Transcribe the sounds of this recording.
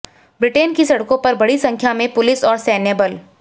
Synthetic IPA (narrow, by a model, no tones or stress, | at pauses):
bɾɪʈeːnkisɐɽkõpɐɾbɐɽisɐ̃ŋkʰjamẽpʊlɪsɔːɾsɛːneːbəl